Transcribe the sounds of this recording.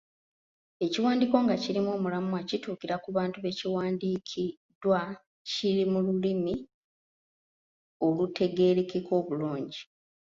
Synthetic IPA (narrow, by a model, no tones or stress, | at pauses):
e̞ciwaːndiːko̞ŋɡaciɾimoːmulamuacituːkiɾakuβaːntuβe̞ciwaːndiːkʰi | dwa | ciɾimululimi | o̞lute̞ɡe̞ːɾekeko̞ːβuluːɲɟi